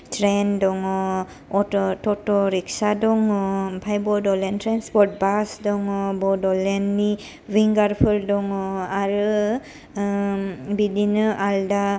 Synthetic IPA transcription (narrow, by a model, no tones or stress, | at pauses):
tɹɛndɔŋɔ | ɔtɔtɔtɔɹiksadɔŋɔpʰajbɔdɔlɛntʰɹanspɔɾt̚basdɔŋɔbɔdɔlɛnːi | wiŋɡaɹpʰɯldɔŋɔaɹɯ | bidinɯʔalda